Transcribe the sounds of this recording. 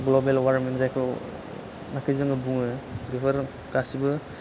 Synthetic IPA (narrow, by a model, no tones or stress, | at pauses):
ɡlobelwaɾmenzajkʰɔ | makʰizɯŋɯbuŋɯɡipʰaɾ | kasibɯ